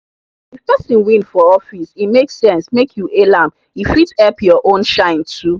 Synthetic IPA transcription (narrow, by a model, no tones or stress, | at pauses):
ifpɛsĩnwĩnfɔɔfisimeksɛ̃nsmekʰjuʔelãm | ifitɛpjɔʔõnʃãɪ̃ntʰu